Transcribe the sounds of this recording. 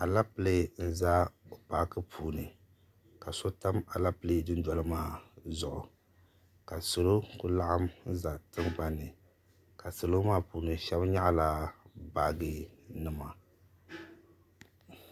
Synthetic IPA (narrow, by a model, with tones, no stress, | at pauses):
a˨la˦pɨ˦le˦n̩˦za˦o˨pa˨˦kɨ˦pʰuː˨nɨ˨ | ka˨so˦ta˦ma˨la˦ple˦˨dɨ˦n˦dɔ˦lɨ˦maː˦zʊ˨ʔʊ˨ | ka˨so˨lo˦kʊ˦la˦ʔa˦mn̩˦za˨tɨ˦ŋk͡pa˨nɨ˨ | ka˨so˨lo˦maː˦puː˨nɨ˨ʃɛ˦bɲa˦ʔla˦ba˨ɡɨ˨nɨ˨ma˨